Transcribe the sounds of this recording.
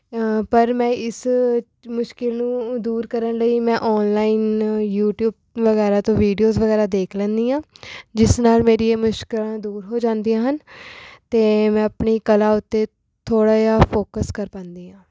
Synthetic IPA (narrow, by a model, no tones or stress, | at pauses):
pəɾmɛ̃ːɪs | mʊʃkɪlnũːd̪uːɾkəɾənləiːmɛ̃ːʔɔːnlaːiːnjuːʈjuːb̚ | ʋəɣɛːɾaːt̪õːʋiːɖijoːzʋəɡɛːɾaːd̪eːkʰlɛ̃ːnd̪iːãːd͡ʒɪsnaːlmeːɾiːeːmʊʃkɪlãːd̪uːɾɦoːd͡ʒãːnd̪ijãːɦənt̪eːmɛ̃ːəpɳiːkəlaːʊt̪ːeː | t̪ʰoːɽaːjaːpʰoːkəskəɾpə̃ːnd̪iːãː